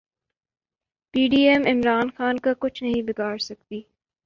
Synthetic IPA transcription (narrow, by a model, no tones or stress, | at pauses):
piːɖiːɛmɪmɾaːnxaːnkakʊt͡ʃʰnɐɦĩbɪɡaːɾsɐk̚t̪iː